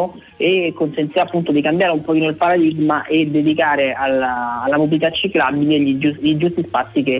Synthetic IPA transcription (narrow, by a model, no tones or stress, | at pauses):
o | ekːonsent̪iɾapːunt̪od̪ikambjaːɾeumpɔkiːnoilpaɾad̪iɡmaʔed̪ːed̪ikaːɾealaːlːamobilit̪at͡ʃːiklabileʎid͡ʒuʎid͡ʒust̪ispat̪sːike